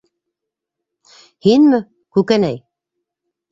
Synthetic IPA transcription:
hinmɘ | kʉkænæj

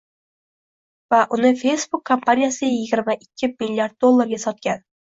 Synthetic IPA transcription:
vaʔʊnɪfe̞jsbʊkʰːompʰanijasɪjɪɡʲɪɾmaʔɪkʲʰːɪmilʲːiaɾd̪̚d̪o̞lˠːaɾɡʲasɒt̪̚kʲan

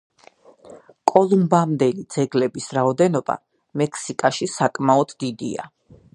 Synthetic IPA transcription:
kʼɔlˠumbamd̪ɛlid̪zɛɡlɛbisɾaɔd̪ɛnɔb̥a̰ | mɛkʰsikʼaʃisakʼmaɔd̪ʰd̪id̪ḭa̰

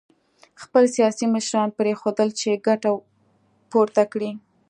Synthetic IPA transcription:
xpəlsijɑsiməʃɾɑnpɾexod̪əlt͡ʃeɡaʈa | poɾt̪akɽi

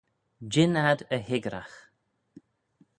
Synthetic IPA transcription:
d͡ʒɪnad̪əhɪɡɾa̰x

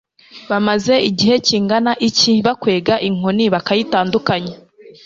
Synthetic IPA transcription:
βamaze̞iɟihe̞ciːŋɡanaʔiciβakwe̞ːɡaʔiŋ̥oniβakajitaːndukaɲe

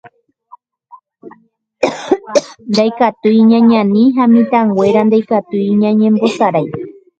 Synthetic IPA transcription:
nd̪ajkat̪ujɲãɲãnĩɦamĩt̪ãŋɡwʷeɾand̪ajkat̪ujɲãɲẽmbosaɾaj

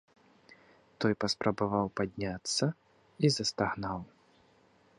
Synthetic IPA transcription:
t̪ɔjpɐspɾɐbavawpad̪ʲnʲat̪sːɐ | izɐst̪aɣnaw

